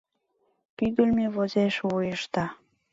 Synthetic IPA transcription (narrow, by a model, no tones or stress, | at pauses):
pyɡəlmeβozeʃvujəʃt̪ɑ